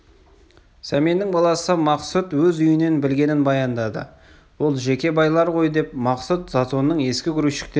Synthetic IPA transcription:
sæme̞nːɪŋbɑlˠɑsəmɑqsut̪wɵzʏjɪne̞nbɪlɡʲe̞nɪnbɑjɑnd̪ɑd̪ə̰ | wo̞lˠʒe̞kʲe̞bɑjlˠɑɾqʰo̞jd̪e̞p̚mɑqsut̪z̥ɑt̪onːəɴe̞skʲɪɡʲʰʏɾuʃɪ̥k̚t̪e

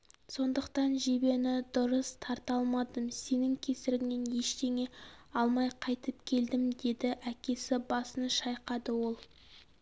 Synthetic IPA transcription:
so̞nd̪əq̚t̪ɑnʒebe̞nɪd̪ʊɾəst̪ʰɑɾt̪ɑlˠmɑd̪əmse̞nɪŋkʲʰe̞sɪɾɪŋne̞nje̞ʃt̪e̞ŋe̞ɑlˠmɑjqʰɑjt̪əp̚kʲʰe̞ld̪ɪmd̪e̞d̪ɪʔækʲe̞sɪbɑsənʃɑjqɑd̪əwo̞lˠ

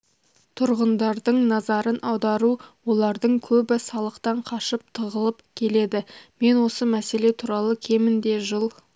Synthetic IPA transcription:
t̪ʰʊɾʁənd̪ɑɾd̪əɴnɑzɑɾənʔɑwd̪ɑɾuwo̞lˠɑɾd̪əɴkʲʰɵbɪsɑlˠəqt̪ɑɴqʰɑʃəp̚t̪ʰəʁəlˠəpkʲʰe̞le̞d̪ɪme̞nwo̞səmæse̞le̞t̪ʰuɾɑlˠəkʲʰe̞mɪnd̪e̞ʒəlˠ

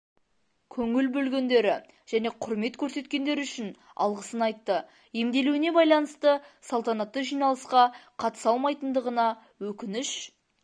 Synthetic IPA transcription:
kʲʰɵŋɪlbɵlɡʲe̞nd̪e̞ɾɪ | ʒ̥æne̞qʰʊɾme̞t̪kʲʰɵɾse̞t̪kʲe̞nd̪e̞ɾʏʃɪn | ɑ̰lˠʁəsənɑjt̪ːə | jemd̪e̞lewɪne̞bɑjlˠɑnəst̪əsɑlˠt̪ɑnɑt̪ːəʒijnɑlˠəsqɑqʰɑt̪ə̥sɑlˠmɑjt̪ənd̪əʁənɑ | wɵkʲɪnɪʃ

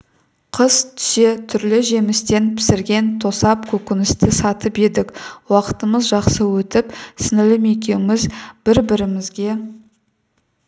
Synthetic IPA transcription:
qʰəz̥t̪ʰʏ̥se̞t̪ʰʏɾlɪʒe̞mɪst̪e̞npʰɪ̥sɪɾɡʲe̞nt̪ʰo̞sɑpkʲʰɵkʲɪnɪst̪ɪsɑt̪əpe̞d̪ɪkwɑqə̥t̪əməzʒɑqsəwɵt̪ɪpsɪnɪlɪme̞k̬ʲe̞wmɪzb̥ɪɾbɪɾɪmɪzɡʲe̞

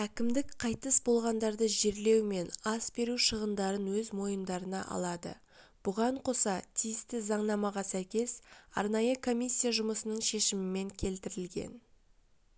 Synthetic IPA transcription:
ækʲɪmd̪ɪkqʰɑjt̪əsbo̞lˠʁɑnd̪ɑɾd̪əʒe̞ɾle̞wme̞nɑsbe̞ɾuʃəʁənd̪ɑɾənwɵzmo̞jəmd̪ɑɾənɑʔɑ̰lˠɑd̪ə̰ | b̥ʊʁɑɴqʰo̞sɑt̪ʰijɪst̪ɪzɑɴnɑmɑʁɑsæjkʲe̞sɑ̰ɾnɑjəkʰo̞mʲisʲːijaʒʊməsənəɴʃe̞ʃɪmɪme̞ŋkʲʰe̞lt̪ɪɾɪlɡʲe̞̰n

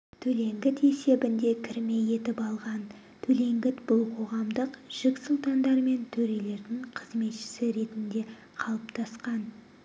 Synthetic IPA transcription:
t̪ʰɵle̞ŋɡʲɪt̪e̞se̞bɪnd̪e̞kʲʰɪɾme̞je̞t̪ɪpɑlˠʁɑn | t̪ʰɵle̞ŋɡʲɪt̪bʊlˠqʰo̞ʁɑmd̪əqʒ̥ɪksulˠt̪ɑnd̪ɑɾme̞nt̪ʰɵɾe̞le̞ɾd̪ɪŋqʰəzme̞t̪ʃɪ̥sɪɾe̞t̪ɪnd̪e̞ | qʰɑlˠəpt̪ʰɑsqɑn

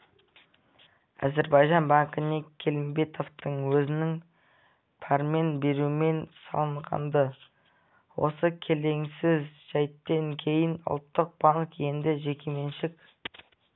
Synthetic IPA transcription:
æzeɾbɑjʒɑnbɑŋkəne̞kʲʰːe̞lɪmbe̞t̪ʰo̞ft̪əɴwɵzɪnɪŋ | pʰɑɾme̞nbe̞ɾuɪme̞nsɑ̰lˠəɴʁɑ̰nd̪ə | wo̞̰səkʲʰele̞ŋsɪzʒ̥æjt̪ːeŋkʲʰe̞jɪnʊ̰lˠt̪ːəq̚b̥ɑnˠəqe̞nd̪ɪʒe̞kʲe̞me̞nʃɪk

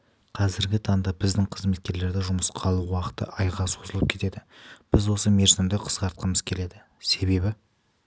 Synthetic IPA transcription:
qʰɑzɪɾɡʲɪt̪ʰɑŋd̪ɑbɪzd̪ɪŋqʰəzme̞t̪̚kʲe̞ɾle̞ɾd̪ɪʒʊməsqʰɑlˠuwɑqə̥t̪ə̰ʔɑjʁɑso̞zəlˠəp̚kʲʰe̞t̪e̞d̪ɪb̥ɪzwo̞səme̞ɾzɪmd̪ɪqʰə̥sqɑɾt̪̚qəməz̥kʲʰe̞le̞d̪ɪ | se̞βe̞bɪ

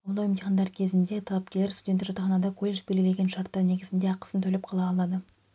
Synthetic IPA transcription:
wolˠojmd̪iχɑnd̪ɑɾkʲʰe̞zɪnd̪e̞t̪ʰɑlˠɑp̚kʲelʲːeɾst̪ud̪ʲent̪ːɪkʒɑt̪ɑχɑnɑd̪ɑkʰo̞lʲeʃbelɡʲɪle̞ɡʲeʃɑɾt̪ːɑne̞ɡʲɪzɪnd̪e̞ɑqə̥sənt̪ʰɵlepqʰɑlˠɑːlˠɑd̪ə

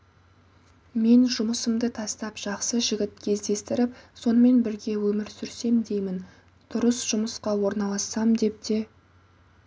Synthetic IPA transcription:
me̞nʒʊməsəmd̪ət̪ʰɑst̪ɑpʒ̥ɑqsəʒɪɡʲɪt̪̚kʲʰe̞zd̪e̞st̪ɪɾɪpso̞nəme̞nbɪɾɡʲe̞wɵmɪɾsʏɾse̞md̪e̞jmɪn | d̪̥ʊɾəsʒ̥ʊməsqɑwo̞ɾnɑlˠɑsɑmd̪e̞p̚t̪e̞

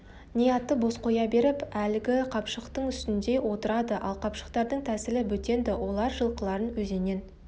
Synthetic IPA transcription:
nijɑt̪ːəbo̞sqʰo̞jɑbe̞ɾɪpælɪɡʲɪqʰɑpʃəqt̪əɴʏst̪ɪnd̪e̞wo̞t̪əɾɑd̪əʔɑlˠqʰɑpʃə̥qt̪ɑɾd̪əɴt̪ʰæsɪlɪbɵt̪e̞nd̪ɪwo̞lˠɑɾʒəlˠqəlˠɑɾənwɵze̞ne̞n

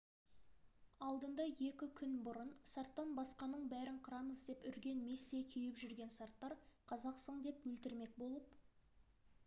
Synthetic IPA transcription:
ɑlˠd̪ənd̪ɑje̞kʲɪkʲʰʏnbʊɾənsaɾt̪ːɑnbɑsqɑnːəɴbæɾɪɴqʰəɾɑməzd̪e̞pʏɾɡʲe̞nmisːekʲʰejɪpʒʏɾɡʲe̞nsɑɾt̪ːɑɾqʰɑzɑqsəɴd̪e̞pwɵlt̪ɪɾme̞k̚bo̞lˠəp̚

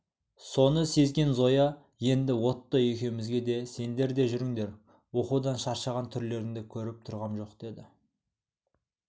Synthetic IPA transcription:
so̞nəse̞zɡʲe̞nzo̞jɑ | je̞nd̪ɪwo̞t̪ːɑjekʲe̞mɪzɡʲe̞d̪e̞se̞nd̪e̞ɾd̪e̞ʒʏɾɪŋd̪e̞ɾ | wo̞qud̪ɑnʃɑɾʃɑʁɑnt̪ʰʏɾle̞ɾɪŋd̪ekʲʰɵɾɪp̚t̪ʰʊɾʁɑnʒo̞qd̪̥e̞d̪ɪ

